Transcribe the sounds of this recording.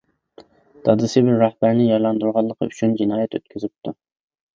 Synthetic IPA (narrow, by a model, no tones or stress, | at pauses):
d̪̥ʰɑd̪ɨsɪbɪɾːɑhbæɾnɪjɑɾlˠɑnd̪uɾʁɑlˠːəqʰə̰yt͡ʃʰynd͡ʒinɑːjɛt̪ø̰t̪̚kʲʰyzɪp̚t̪ʰu